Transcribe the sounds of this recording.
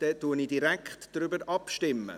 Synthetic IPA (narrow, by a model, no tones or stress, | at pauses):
d̥ɛtːuənidiɾɛkχtd̥ɾʏbəɾɑpʃtɪmːə̰